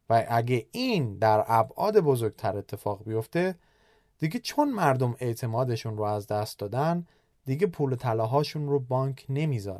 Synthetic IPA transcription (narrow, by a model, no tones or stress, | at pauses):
væʔæɡeʔiːnd̪æɾæbʔɒ̰ːd̪e̞bo̞zo̞ɾɡ̚t̪ʰæɾe̞t̪ʰːe̞fɒːɣbijo̞ft̪e̞ | d̪̥iɡet͡ʃʰo̞nmæɾd̪o̞me̞t̪ʰe̞mɒːd̪e̞ʃunɾoæzd̪æst̪̚d̪ɒːd̪æn | d̪iɡepʰuːlot̪ʰælɒːɦɒːʃunrobɒːŋkʰne̞miːzɒːɾ